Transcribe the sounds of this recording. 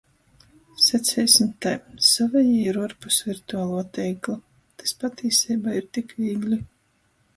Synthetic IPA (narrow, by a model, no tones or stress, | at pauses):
sɛsʲɛjsʲmt̪ajsɔvɛjiɾɔɾpusviɾt̪uaːlˠuːt̪ɛjklˠa | t̪ḁspat̪ʲʰiːsiːbaːiɾt̪ikviːɡlʲi